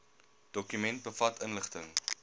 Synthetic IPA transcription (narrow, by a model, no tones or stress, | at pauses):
d̥ɔkymɛnt̚bəfɐtʰənləχtəŋ